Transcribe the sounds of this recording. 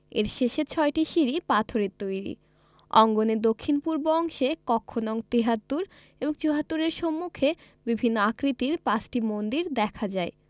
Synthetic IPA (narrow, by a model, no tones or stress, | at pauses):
ḛɾʃeʃet͡ɕʰɔeʈiʃiɾipat̪ʰoɾeɾt̪ojɾḭ | ɔ̰ŋɡoned̪okʰːinpuɾboɔŋʃekɔkʰːonɔŋt̪iɦat̪ːuɾ | eboŋt͡ɕuɦat̪ːuɾeɾʃomːukʰe | bibʱinːoakɾit̪iɾpat͡ɕʈimond̪iɾd̪ɛkʰad͡ʑae